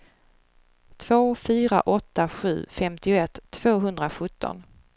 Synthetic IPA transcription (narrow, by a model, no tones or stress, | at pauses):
t̪ʰv̥oːfyːɾa̰ʔɔt̪ːaɧʉ̟ːfɛmt̪ɪʊɛt̪ʰːv̥oːɦɵnd̪ɾaɧɵt̪ʰːɔ̰n